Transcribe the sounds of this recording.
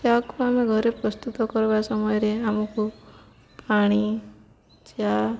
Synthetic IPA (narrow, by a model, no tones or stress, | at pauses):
t̪jakuameɡʱɔɾepɾɔst̪ut̪ɔkɔɾbasɔmɔjɔɾeamɔku | paɽ̃i | t͡ʃja